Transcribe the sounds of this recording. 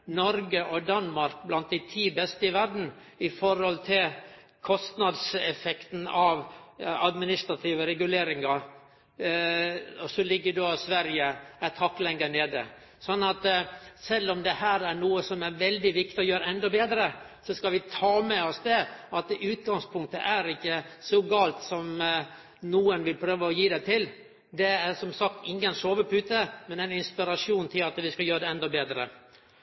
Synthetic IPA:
nɔɾɡəʔɔd̪ɑnmɑɾk̚blɑnt̪̚d̪æɪt̪ʰiːbɛst̪əɪʋæɾɖn̩ | ɪfɔɾhɔlt̪ʰɪl | kʰɔst̪nɑd̪sɛfɛkt̪n̩ɑʋɑ̰d̪mɪnɪst̪ɾɑt̪ʰiːʋəɾɛɡʉleːɾɪŋɑ | ɔsɔlɪɡːəɖoːsʋæɾjəæt̪ʰɑkːlɛŋːəɳeːd̪ə̰ | sɔnːɑt̪sɛlːɔmd̪ɛhæːɾæɾɳuːəsɔmæɾʋɛld̪ɪʋɪk̚t̪ɪɔjøːɾəɛnd̪ɔbeːd̪ɾə | sɔskɑʋɪt̪ʰɑːmɛɔsd̪ɛɑt̪ʉːt̪ɡɑŋspʰʊŋk̚t̪əʔæɾɪkːəsɔɡɑːlt̪sɔm | nuːənʋɪlpʰɾøːʋəɔjiːd̪æɪt̪ʰɪl | d̪ɛæsɔmsɑkt̪ɪŋːənsoːʋəpʉːt̪əmɛnænɪnspɪɾɑʂuːnt̪ʰɪlɑt̪ʋɪskɑjøːɾəd̪ɛɛnd̪ɔbeːd̪ɾə̰

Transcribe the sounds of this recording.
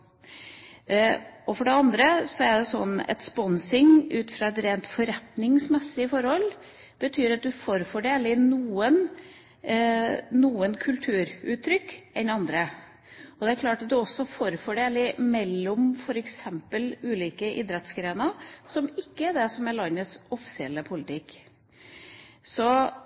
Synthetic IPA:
ɔfɔɖɛɑnd̪ɾəsɔæɖɛsɔ̰nːɛ̰t̪spɔnsɪŋʉːt̪fɾɑːɛt̪ɾeːnt̪fɔɾɛt̪nɪŋsmɛsːɪəfɔɾhɔl | b̥ət̪ʰyːɾɑt̪̚d̪ʉfoːɾfɔɖeːlɪnuːən | nuːənkʰʉlt̪ʰʉːɾʉːt̪ʰːɾʏkːɛnɑnd̪ɾə | ɔd̪ɛæɾkʰlɑːʈɑt̪̚d̪ʉɔsːɔfoːɾfɔɖeːlɪmɛlːɔmfɔɾɛksɛmpəlʉːliːkəʔɪːd̪ɾɛt̪sɡɾeːnəsɔmɪkːəæɖɛsɔmɛɭɑnːəsɔfɪ̥sɪɛlːəpʰʊlɪt̪ʰɪkː | sɔ

